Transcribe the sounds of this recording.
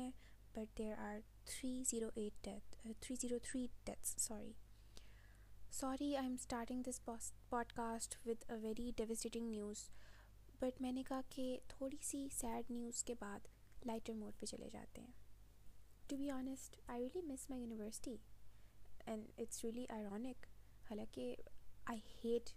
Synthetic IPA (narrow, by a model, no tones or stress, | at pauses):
ɛ̃ | b̥ɐʈ̚d̪eːɾʔaːɾ | t̪ʰɾiːziːɾoʔeːʈ̚ɖɛt̪ʰɾiːziːɾot̪ʰɾiːɖ̥ɛt̪sːɔːɾḭ | sɔːɾiãːɪ̃msʈaːɾʈɪ̃ŋd̪ɪspɔːɖkaːsʈʋɪd̪əʋɛɾiɖɛʋəsʈeʈɪ̃ŋnjuːz̥ | b̥ɐʈmɛ̃ːnekaɦket̪ʰoːɽisisæːɖnjuːz̥kebaːd̪ | laɪʈəɾmoːʈ̚pet͡ʃɐ̰lʔḛd͡ʒa̰ːt̪ḛɦɛ̃ː | ʈubiɔːnɪsʈaɪɾiːəlimɪsmaɪjuːnɪʋəɾsɪ̥ʈi | ɛ̃nɪʈsɾiəliʔaɪɾɔːnɪkhaːlãkeaɪheːʈ